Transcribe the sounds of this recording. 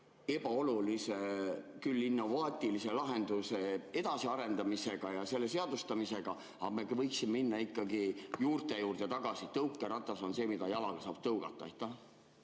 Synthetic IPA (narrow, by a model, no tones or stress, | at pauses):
e̞b̥ɑo̞lulisekylːinːo̞vɑːt̪ʲˑilise̞lɑɦe̞nd̪̥use̞e̞d̪̥ɑsiɑɾe̞nd̪̥ɑmise̞ɡ̥ɑjɑse̞lːe̞se̞ɑd̪ust̪ɑmise̞ɡ̥ɑ | ɑme̞kvɤjksimeminːɑikːɑɡijuːrt̪e̞juːrd̪̥et̪ɑɡ̥ɑsit̪ɤwkˑːeɾɑt̪ːˑɑso̞nse̞ːmid̪ɑjɑlɑɡ̥ɑsɑːb̥̚t̪ɤwɡ̥ɑt̪ːˑɑejt̪ːˑɑ